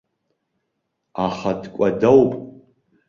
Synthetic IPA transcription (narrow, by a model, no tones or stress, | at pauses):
aχadkʷʼadawpʼ